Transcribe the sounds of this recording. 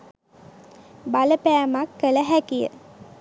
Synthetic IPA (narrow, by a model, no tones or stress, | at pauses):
baləpæːmakːələɦækijə̰